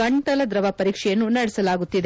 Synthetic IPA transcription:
ɐɳʈɐlɐd̪ɾɐʋɐpɐɾiːkʂɛjɐnːunɐɽɛsɐlaːɡut̪ːid̪e

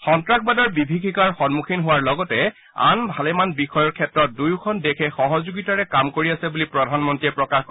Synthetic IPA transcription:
xɔntɹakʰbadɔɹbibʱikʰikaɹxɔnmukʰinɦʊwaɹlɔɡɔtɛ | a̰nbʱalɛmanbixɔjɔɹkʰɛtɹɔt̚dujkʰɔndekʰɛxɔɦɔzoɡitaɹɛkamkoɹiasɛbulipɹɔdʱanmɔntɹiɛpɹɔkaxkɔ

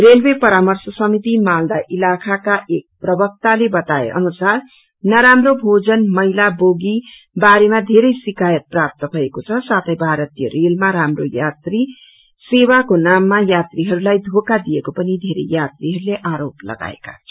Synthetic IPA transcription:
relbepʌɾamʌrsʌsʌmit̪imald̪aʔilakʰakaʔek̚prʌbʌk̚t̪alebʌt̪aḛʔʌ̰nusar | nʌɾamrobʱod͡zʌnmʌɦilaboɡi | baɾemad̪ʱeɾʌjsikajʌt̪̚prap̚t̪ʌbʱʌekot͡sʰʌsat̪ʰʌjbʱaɾʌt̪ijʌɾelmaɾamro̰jat̪ri | sewakonamːajat̪riɦʌɾulajd̪ʱokad̪ijekopʌnid̪ʱeɾḛjat̪riɦʌɾuleʔaɾoplʌ̰ɡa̰ḛka̰

